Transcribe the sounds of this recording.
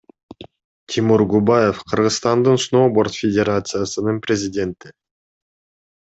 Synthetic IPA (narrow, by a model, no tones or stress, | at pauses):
t̪ʲʰɪmuɾɡubaje̞fqʰɯɾʁɯzst̪ɑnd̪ɯnsno̞ːbo̞rt̪fʲɪdʲeɾat̪sɨjasɯnɯnprʲɪzʲɪdʲe̞nt̪ɪ